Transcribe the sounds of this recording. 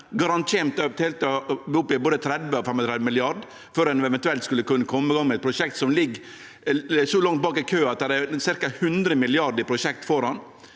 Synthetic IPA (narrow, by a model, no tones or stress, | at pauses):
ɡɑɾɑnt̪ʰeːmt̪ːt̪ʰeːlt̪ʋʊpːɪboːd̪ət̪ʰɾɛd̪ʋəɔfɛmɔt̪ʰɾɛd̪ʋəmɪlɪɑɾɖ | føɾɛnɛʋɛnt̪ʉɛlt̪skʉlːəkʉnːəkʰɔmːɪɡɑŋmɛt̪̚pʰɾʊʂɛk̚t̪sɔmlɪɡː | sɔlɑŋt̪̚bɑːkɪkʰøːɑt̪̚d̪æɾɛɾsɪɾkɑhʉnd̪ɾəmɪlɪɑɾɖɪpʰɾʊʃɛk̚t̪fɔɾɑn